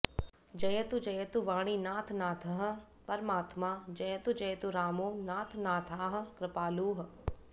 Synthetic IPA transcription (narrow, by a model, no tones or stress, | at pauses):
d͡ʒɐjɐt̪ud͡ʒɐjɐt̪uʋaːɽ̃iːnaːt̪ʰnaːt̪ʰɐɦ̆ | pɐɾmaːt̪maːd͡ʒɐjət̪ud͡ʒɐjt̪uɾaːmoːnaːt̪ʰnaːt̪ʰaːɦə̆kɾɪpaːluːɦ